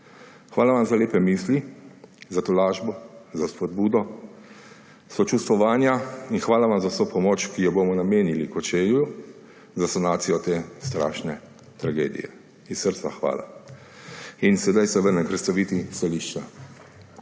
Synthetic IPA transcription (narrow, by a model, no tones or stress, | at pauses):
xʋaːlaʋamzaleːpɛmiːslizat̪olaːʒbɔzaspɔd̪buːd̪ɔ | sɔt͡ʃust̪ʋɔʋaːnjainxʋaːlaʋamzawsoːpɔmoːt͡ʃkijɔboːmɔnameːnilikɔt͡ʃeːlju | zasanaːt̪sijɔt̪eːst̪ɾa̰ːʃnɛ | t̪ɾaɡḛːd̪ḭjɛ̰ | issəɾt̪sa̰xʋa̰ːla̰ | insɛd̪ajsɛʋəɾnɛnpɾɛt̪st̪aʋiːt̪ist̪aliʃt͡ʃa